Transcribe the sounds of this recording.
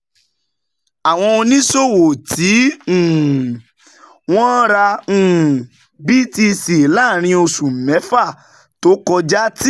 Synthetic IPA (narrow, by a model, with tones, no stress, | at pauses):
a˨w̃ɔ̃˧o˧nĩ˦so˦˨wo˨tĩ˨˦˨ | w̃ɔ̃˦ɾa˧ũ˨ | bi˦ti˧si˨la˦˨ɾ̃ĩ˧o˧sũ˨mɛ˨˦fa˦˨ | to˨˦kɔ˧d͡ʒa˦ti˦